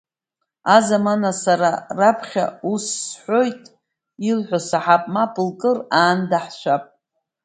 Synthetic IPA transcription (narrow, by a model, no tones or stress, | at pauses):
azamanasaɾarapʰχʲa̰usːħʷo̞jtʼ | ilħʷasaħapʼmapʼɨlkʼɨraːndaħʃʷapʼ